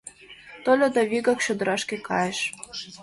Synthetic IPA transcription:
t̪olʲod̪ɑβiɡɑkɕod̪ə̆ɾɑʃkʲekɑjəʃ

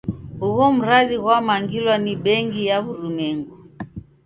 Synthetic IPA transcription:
huɣɔm̩ɾaðiɣwamaŋɡilwaniɓɛŋɡijaβuɾumɛŋɡu

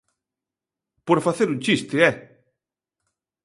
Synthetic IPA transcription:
poɾfaθeɾuɲt͡ʃist̪ɪɛ

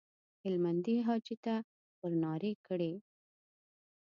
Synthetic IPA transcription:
hɪlmand̪iɦɑt͡ʃit̪a | pəɾnɑɾekəɽe

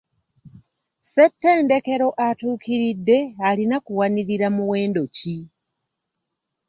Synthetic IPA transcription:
setːeːnde̞ke̞ɾo̞ʔatuːkiɾidːe̞alinakuwaniɾiɾamuwe̞ːndo̞ci

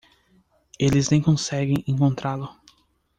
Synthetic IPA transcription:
elɪznẽj̃kõsɛɡẽj̃ẽŋkõnt̪ɾalʊ

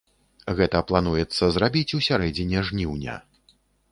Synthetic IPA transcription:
ɣɛt̪ɐplˠanujɛt̪sːɐzrabʲit͡sʲusʲaɾɛd͡zʲɛnʲɛʐnʲiwnʲɐ̰

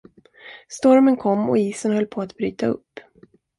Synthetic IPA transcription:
st̪ɔɾmənkʰɔmːɔ̰iːsənhœlːpʰoat̪b̥ɾyːt̪aɵ̰pː

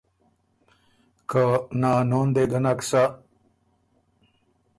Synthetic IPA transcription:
kanaːnoːnd̪eɡɐnaksa

